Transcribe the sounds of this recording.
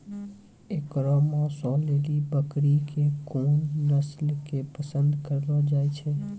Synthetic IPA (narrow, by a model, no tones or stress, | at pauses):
ekɾɔmãsɔlelibəkɾikekoːnːəslkepəsənd̪ʱkəɾlɔd͡ʒajt͡ʃʰɛ